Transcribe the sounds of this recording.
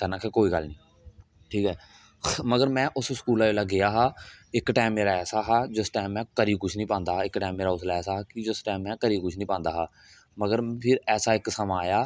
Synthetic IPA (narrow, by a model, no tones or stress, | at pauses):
t̪ənãːkʰeːkoːiːɡəlnĩː | ʈʰiːkɦɛː | məɡəɾmɛ̃ːʔʊsskuːlaːeːlaɡɪjaːɦaːɪkʈaːmːeːɾaːɛːsaːɦaːd͡ʒɪsʈaːmɛ̃ːkəɾiːkʊt͡ʃʰnĩːpãːnd̪aːɪkʈaːmːeːɾaːʊslaːɛːsaːɦːkɪd͡ʒɪsʈaːmːɛ̃ːkəɾiːkʊt͡ʃʰnĩːpãːnd̪aːɦaː | məɡəɾpʰɪɾɛːsaːɪksəmãːjaː